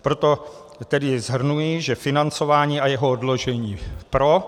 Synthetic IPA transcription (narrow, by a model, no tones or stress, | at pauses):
pɾo̞t̪o̞ | t̪ɛdɪzɦr̩nujɪʒɛfɪnant͡so̞vaːɲiːajɛɦoodlo̞ʒɛɲiːpɾo̞